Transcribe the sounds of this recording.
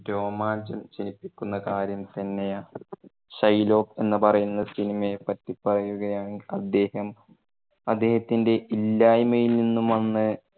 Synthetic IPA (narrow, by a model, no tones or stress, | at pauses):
ɾo̞ːmaːɲd͡ʑɐmt͡ɕenipːikʲːunːɐkaːɾjɐmt̪ɐnːejaː | ɕɐjlo̞ːpe̞nːɨpɐrɐjunːɐsinimɐepɐtːipːɐrɐjuɣɐjaːɳiɐd̪ːe̞ːhɐm | ɐd̪ːe̞ːhɐt̪ːinde̞ʔilːaːjmɐjilninːumɐnːɨ